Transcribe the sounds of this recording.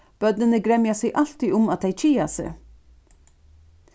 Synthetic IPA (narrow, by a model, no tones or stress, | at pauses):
b̥œd̪nənəɡɾɛmjɑseʔɑlt̪iʔʊmɑt̪̚d̪æɪt͡ʃʰiːɑsə̰